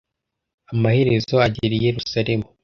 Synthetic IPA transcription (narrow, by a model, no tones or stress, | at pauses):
amahe̞ɾe̞zo̞aɟeɾijeɾusaɾe̞mu